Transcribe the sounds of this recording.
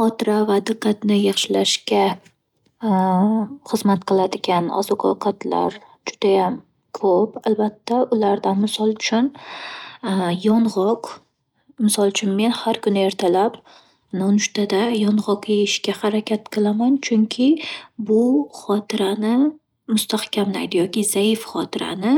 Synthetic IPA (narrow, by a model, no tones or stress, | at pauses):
χɒt̪ʰɪɾavad̪ɨqːɑt̪nɪjɑχʃɪlaʃkʲa | χɨzmat̪qʰɨlˠad̪ɪɡʲana̰zʊqʰɑqʰat̪ʰla̰ɾ | d͡ʒʊd̪̥ajam | kʰopalbat̪ʰːaʔʊlaɾd̪anmɪsɒlˠt͡ʃʰʊn | jɒnʁɒq | mɪsɒlˠt͡ʃʰʊnme̞nhaɾkʊnɪe̞ɾt̪ʰalap | nɒnʊʃt̪ad̪ajɒnʁɒqjeɪʃkʲahaɾakʲat̪qʰɨlˠamant͡ʃʰʊŋkʲʰɪbʊχɒt̪ʰɪɾanɪ | mʊst̪ahkʲamla̰jd̪ɪjɒkʲɪzaɪfχɒt̪ʰɪɾa̰nɪ